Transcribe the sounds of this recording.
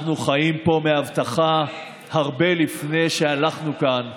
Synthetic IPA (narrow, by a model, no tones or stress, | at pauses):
nuχajimpo̞meavt̪aχa | haʁbe̞lifne̞jʃealaχnukan